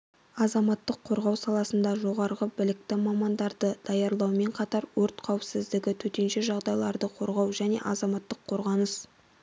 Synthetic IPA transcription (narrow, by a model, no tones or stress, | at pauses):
ɑzɑmɑt̪ːəqʰːo̞ɾʁɑwsɑlˠɑsənd̪ɑʒo̞ʁɑɾʁəbɪlɪk̚t̪ɪmɑmɑnd̪ɑɾd̪əd̪̥ɑjɑɾlˠɑwme̞ɴqʰɑt̪ɑɾwɵɾt̪qʰɑwɪpsɪzd̪ɪɡʲɪt̪ʰɵt̪e̞nʃe̞ʒɑʁd̪ɑjlˠɑɾd̪əqʰo̞ɾʁɑwʒæne̞̰ʔɑzɑmɑt̪ːəqʰːoɾʁɑnəs